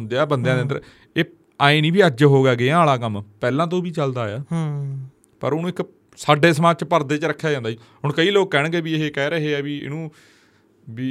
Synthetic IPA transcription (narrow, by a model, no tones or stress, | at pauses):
nd̪eaːbənd̪ejãːd̪eənd̪əɾ | eː | aːẽːnĩːbiːəd͡ʒɦoːɡaːɡeːãːlaːkəmpɛːlãːt̪̬õːbiːt͡ʃəld̪aːjaː | pə̰ɾʊnũːɪk | saːɖeːsəmaːt͡ʃpəɾd̪eːt͡ʃəɾəkʰːjaːd͡ʒãːnd̪aːiːɦʊɳkəiːloːkːɛːɳ̃ɡeːbiːeɦeːkɛːɾəɦeːɛːbiːɪ̰nũː | biː